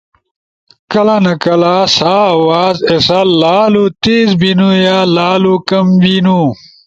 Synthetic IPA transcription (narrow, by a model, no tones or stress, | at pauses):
kɐlanɐkɐlaːsaːwaːzesallːaːlut̪eːzbinujaːlaːlukɐmbinu